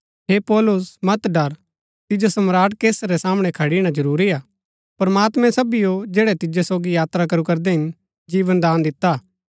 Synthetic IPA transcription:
ɦepɔːlʊsmɐt̪ɖɐɾ | t̪ɪd͡ʒosɐmɾaːʈkeːsɾɛsaːməɽ̃ekʰɐɽiɽ̃ad͡ʒɐɾuːɾiaː | pɐɾmaːt̪mɛ̃sɐbijod͡ʒeːɽɛt̪ɪd͡ʒosoːɡijaːt̪ɾakɐɾukɐɾd̪eɦɪn | d͡ʒiːʋənd̪aːnd̪ɪt̪ːaː

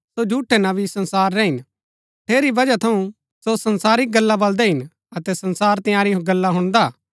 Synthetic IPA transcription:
sod͡ʒʱuːʈʰːɛnaʋisɐ̃nsaːɾːɛɦɪn | ʈ̪ʰeːɾibɐd͡ʒat̪ʰɐũ | sosɐnsaːɾɪk̚ɡɐlːabɐld̪ɛɦɪn | ɐt̪ɛsɐ̃nsaːɾt̪ɐ̃jaːɾiɦõɡɐlːaɦʊɽ̃d̪aː

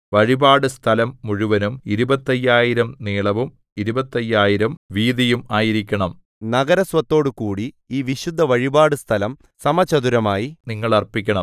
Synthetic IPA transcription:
ʋɐɻibaːɽɨst̪ʰɐlɐmːuɻuʋɐnumiɾubɐt̪ːɐjːaːjiɾɐmneːɭɐʋum | iɾubɐt̪ːɐjːaːjiɾɐmʋiːd̪ɐjumaːjiɾikʲːɐɳɐm | nɐɡɐɾɐsʋɐt̪ːo̞ːɽɨkuːɽi | iːʋiɕud̪ʱːɐʋɐɻibaːɽɨst̪ʰɐlɐm | sɐmɐt͡ɕːɐðuɾɐmaːjiniŋːɐɭɐrpːikʲːɐɳɐm

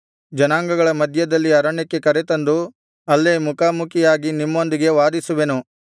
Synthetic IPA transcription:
d͡ʒɐnaːŋɡɐɡɐɭɐmɐd̪ʱjɐd̪ɐlːiɐɾɐɳɛkːe̞kɐɾet̪ɐnd̪u | ɐlːemukaːmukʰijaːɡinimːo̞nd̪iɡe̞ʋaːd̪isuʋe̞nu

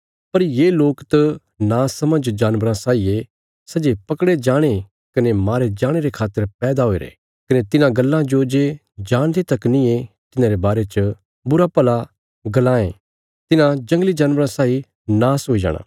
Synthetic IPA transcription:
pɐɾjeːloːkt̪ɐ | naːsɐməd͡ʒd͡ʒaːnʋəɾãsaːie | sɐd͡ʒepɐkɽed͡ʒaːɽ̃e | kɐnemaːɾed͡ʒaːɽ̃eɾekʰaːt̪ːəɾpɛːd̪aɦoeɾḛː | kɐnet̪ɪnãɡɐlːãd͡ʒod͡ʒe | d͡ʒãːɽ̃d̪et̪ɐknĩe | t̪ɪnãɾebaːɾet͡ʃə | bʊɾapɐla | ɡɐlãːḛ̃ː | t̪ɪnãd͡ʒɐ̃ŋɡlid͡ʒaːnʋəɾãsaːi | naːsɦoːid͡ʒa̰ːɽ̃a̰ː

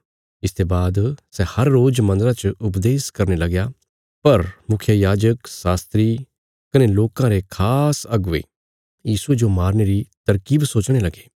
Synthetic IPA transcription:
ɪst̪ʰebaːd̪sɛhɐɾːoːd͡ʒmɐ̃nd̪əɾãt͡ʃʊpd̪eːskɐɾnelɐɡja | pɐɾmʊkʰjəjaːd͡ʒəksaːst̪ɾi | kɐneloːkãɾekʰaːsɐɡḛ | jiːsued͡ʒomaːɾneɾit̪ɐɾkiːbsoːt͡ʃɽ̃elɐɡeː

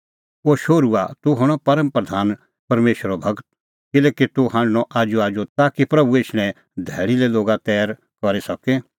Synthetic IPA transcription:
oːʃoːɾua̰t̪uɦʊɽ̃ɔpɐɾəmpɾɐd̪ʱaːn | pɐɾmeːʃəɾobʱɐɡt̪̚ | kɪleːkit̪ʊɦãːɳɖnɔʔaːd͡ʒoaːd͡ʒot̪aːkipɾɐbueːʃnɛ̃ | d̪ʱɛːɽilɛloːɡat̪ɛːɾ | kɔɾesɐke

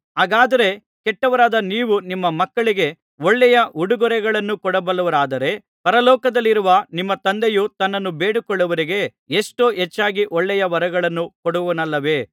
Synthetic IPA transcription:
ɦaːɡaːd̪ɐɾe̞ | kɛʈːɐʋɐɾaːd̪ɐniːʋunimːɐmɐkːɐɭiɡe̞ | oɭːɛjɐuɽuɡɔɾɛɡɐɭɐnːukɔɽɐbɐlːɐʋɐɾaːd̪ɐɾe̞ | pɐɾɐlɔːkɐd̪ɐlːiɾuʋɐnimːɐt̪ɐnd̪ejut̪ɐnːɐnːube̞ːɽukɔɭːɐʋɐɾiɡe̞ | eʂʈoːɦet͡ʃːaːɡiʔɔɭːɛjɐʋɐɾɐɡɐɭɐnːukɔɽuʋʋnɐlːɐʋe̞ː

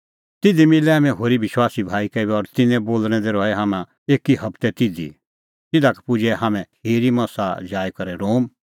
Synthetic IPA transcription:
t̪ɪd̪imɪlɛaːmɛ̃ɦoːɾibɪʃwaːsibʱaːikɛbɛɔɾt̪ɪnɛ̃boːlñɛd̪ɛɾɔːɛɦaːmã | eːkiɦɐbt̪ɛt̪ɪd̪ḭ | t̪ɪd̪akɛ̥pʊd͡ʒɛɦaːmɛ̃heːɾimɐ̃sad͡ʒaːjkɐɾɛɾoːm

